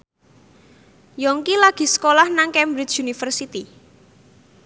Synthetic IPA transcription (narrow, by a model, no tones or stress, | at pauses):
jɔŋkilaɡ̥i̤sə̥kolahnaŋkɛmbɾɪt͡ʃunifərsit̪i